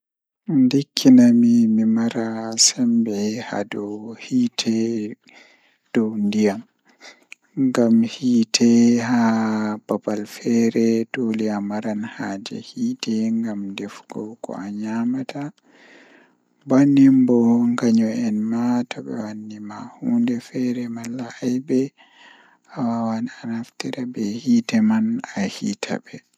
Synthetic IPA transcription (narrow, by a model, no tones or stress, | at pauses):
ndikʰːinamimimaɾasambɛha̰dɔhitʰɛ | d̥ɔwndijam | ŋɡamhiːtʰɛhababalfɛɾɛtoliamaɾanhaːd͡ʒɛ̰hiːtɛŋɡamdɛfɡ̥ɔwkɔ̰aɲamata | banimbɔŋɡaɲɔɛnmatɔɓɛ̰wanːimahuːndɛfɛɾɛmalːaʔajbɛ | hawawananaftiɾabɛhitɛmanahiːtʰa̰bɛ